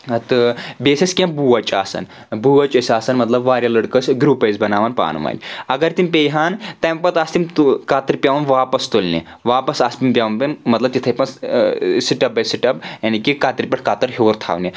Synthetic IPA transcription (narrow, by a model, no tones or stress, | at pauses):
t̪ɨbeːsɐskʲẽbuːʋɐt͡ʃʼa̰ːsɐ̰n | buːɐt͡ʃɐsʲaːsɐnmɐt̪lɐbʋaːɾjɐlɐɽkɐsɡɾuːpɐjzbɐnaːʋaːnpa̰ːnma̰ːnʲɐɡɐɾt̪impeːjɦaːnt̪ɐjmpɐt̪ast̪imt̪kaːt̪iɾpʲjaːʋɐnʋaːpɐst̪olʲnḛ | ʋaːpɐsaspʲimpʲaːʋɐnpinmɐt̪lɐb̚t̪it̪ʰɐpɐn | siʈɐp̚ːɐsiʈɐpjaːnikikaːt̪iɾpʲɐʈʰkaːt̪ɐɾɦoːɾt̪ʰa̰ːʋni